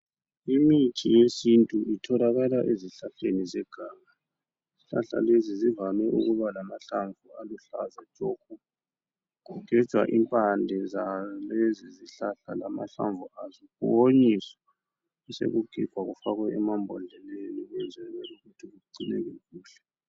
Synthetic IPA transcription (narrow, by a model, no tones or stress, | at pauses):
imitʰijesintʼuʔitʰɔlaɣalaʔeziɬaɬenizɛɡ̥ʱaːŋa | ziɬa̰ɬa̰lezizivamɛʔṵɣuβalamaɬaɱvualuɬa̰zad͡ʒʼɔku | ɣuɡ̥ʱɛ̥ʒ̥ʱwa̰ʔimpʼandʱɛzaleziziɬaɬa̰lama̰ɬa̰ɱvuazikoɲisɔ̥ | ɛsḛɣuɡ̥ʱiɡ̥ʱwaɣufaɣwɛɛmambʱɔndʱɛleniɣɛnzʱɛlwɛuɣutʰiɣuǃinɛɣɛɣuːɬɛ̥